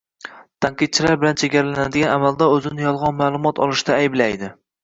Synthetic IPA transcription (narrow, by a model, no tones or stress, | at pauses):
t̪ʰaɴqɨt̪̚t͡ʃʰɪlaɾbɪlant͡ʃʰeɡʲaɾalanad̪ɪɡʲanamald̪aɵzɪnɪjɒlˠʁɑnmaːlˠʊmɒt̪ʰɒ̰lˠɪʃt̪aːjɪblajd̪ɪ